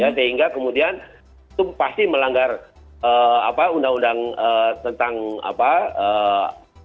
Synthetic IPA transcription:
jasəɦiŋɡakəmudian | t̪ʊmpast̪iməlaŋɡar | əa̰paundaŋundaŋət̪ənt̪aŋa̰paə

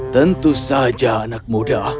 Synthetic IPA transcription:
t̪ɐnt̪usaːd͡ʒaːnɐk̚moɖaʔ

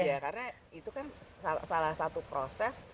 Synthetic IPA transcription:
jakarna | it̪ukansa̰salahsat̪upɾosɛs

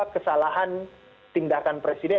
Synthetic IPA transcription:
akəsalaɦan | t̪indakanpɾesidɛ

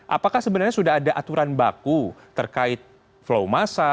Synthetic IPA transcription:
ʔa̰pakahsəbənarɲasudahadaʔat̪uɾanba̰kut̪ərkaɪt̪̚ | flowmasa

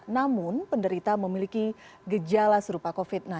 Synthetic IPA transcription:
namʊnpəndəɾit̪aməmilikiɡəd͡ʒalasəɾupakofit̪̚na

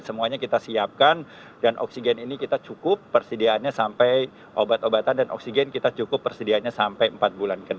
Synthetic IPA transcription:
səmuaɲakit̪asiap̚kan | danʔɔ̰ksiɡɛninikit̪at͡ʃukʊpːərsədiaːnɲasampaj | ʔobat̪obat̪andanʔɔ̰k̚siɡɛnkit̪at͡ʃukʊpːərsədiaanɲasampajəmpat̪̚bulankəd

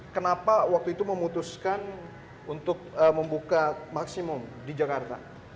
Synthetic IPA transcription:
kənapawak̚t̪uit̪uməmut̪uskan | unt̪ʊk̚əməmbukamaksimʊmdid͡ʒakart̪a̰

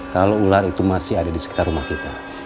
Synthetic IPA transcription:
kaloulaɾit̪umasɪɦadadisə̥kit̪arumahkit̪a

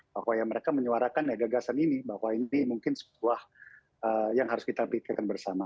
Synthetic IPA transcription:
b̥ahwajaməɾekaməɲuaɾakanjaɡaɡasaninibaɦwainimuŋkɪnsə̥tuah | əjaŋɦaɾʊskit̪apikakanbərsama

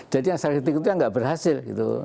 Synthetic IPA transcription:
d͡ʒadijaŋsakit̪ɪkit̪̬ujaŋɡaʔbərɦasɪlɡḭt̪ṵ

